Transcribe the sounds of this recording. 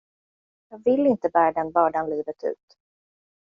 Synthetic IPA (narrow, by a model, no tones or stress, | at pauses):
jɑːɡvɪlːɪnt̪əbæːɾad̪ɛnbɑːɖanliːvət̪ʉ̟̰ːt̪